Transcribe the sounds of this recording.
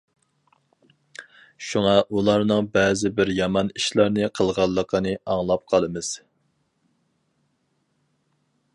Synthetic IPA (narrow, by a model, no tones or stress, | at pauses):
ʃuŋɑʔulˠɑɾnɨŋbɛːzɪbɪɾjɑmɑniʃlˠɑɾnɨqʰəlˠʁɑlˠːəqʰənɨɑŋlˠɑp̚qʰɑlˠɨmɨz̥